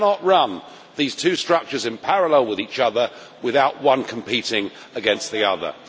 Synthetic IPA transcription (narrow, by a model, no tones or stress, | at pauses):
nəʔɹʌ̃n | ðiːz̥tʰʉːstɹ̥ʌk̚t͡ʃəzɨ̃npʰæɹəlɛlˠwɪðiˑt͡ʃʌðə | wɪðaʊʔwʌ̃nkʰə̃m̩pʰiˑtɪ̃ŋ | əɡɛ̃ns̚ðiʌðə̰